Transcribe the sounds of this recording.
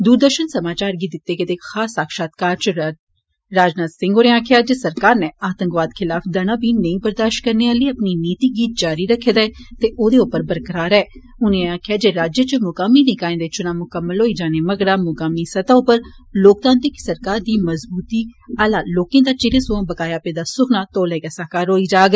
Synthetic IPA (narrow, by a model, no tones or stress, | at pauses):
d̪uːɾd̪əɾʃənsəmaːt͡ʃaːɾɡiːd̪ɪt̪ːeːkɪt̪eːxʰaːsaːkʃaːt̪kaːɾt͡ʃ | ɾaːd͡ʒnaːt̪sɪ̃ŋɡoːɾẽːaːkʰjaːd͡ʒeːsəɾkaːɾneːaːt̪ə̃ŋkʋaːd̪kʰɪlaːfʰd̪anãːbiːnəĩːbəɾd̪aːʃʈ̚kəɾneːaːləiːəpniːniːt̪iːɡiːt̪̚d͡ʒaːɾiːɾəkʰːeːd̪aɛːt̪eːʔoːd̪eːʊpːəɾbəɾkəɾaːɾɛː | ʊnẽaːkʰɪjaːd͡ʒeːɾaːd͡ʒjət͡ʃəmʊkaːmiːnẽːkaːẽːd̪eːt͡ʃʊnãːmʊkəmːəlɦoːiːd͡ʒaːneːməɡɽaːmʊkaːmiːsət̪aːʊpːəɾ | loːk̚t̪ãːnt̪ɪksəɾkaːɾd̪iːməzbuːt̪iːalaːloːkẽːd̪aːt͡ʃɪɾẽːsõbəkaːjaːpeːd̪aːsʊkʰnaːt̪oːlɛːɡaːsaɦkaːɾɦoːiːd͡ʒaːɡ